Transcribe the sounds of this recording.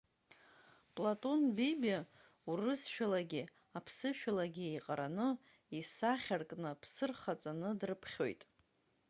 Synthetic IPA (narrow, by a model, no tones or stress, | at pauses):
pʼlatʼo̞nbiba | urɨsʃᶣalaɡʲɪ | apʰsɨʃᶣalaɡʲiejqʼaɾanɨ | isaχʲarkʼnɨpʰsɨrχat͡sʼanɨdrɨpʰχʲo̞̰jtʼ